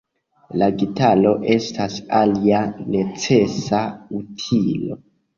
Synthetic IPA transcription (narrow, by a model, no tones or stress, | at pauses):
laɡitalo̞ʔe̞stʰasaliane̞t͡se̞sautʰilo̞̰